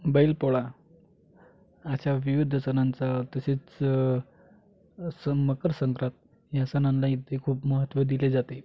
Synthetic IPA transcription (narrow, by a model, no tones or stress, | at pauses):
bəilpoɭa | ɕaʋiʋid̪ʱːəsənant͡sat̪əset͡s | səməkəɾsəŋkɾat̪̚ | jasənãnlait̪ʰːekʰuːpməɦət̪ʋəd̪iled͡zat̪e